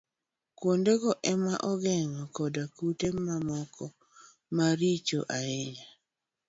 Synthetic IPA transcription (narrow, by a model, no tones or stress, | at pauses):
kwondeɡɔʔɛmaʔɔɡɛŋɔkɔdakutemamɔkʰɔ | maɾit͡ʃo̰ʔaɪɲa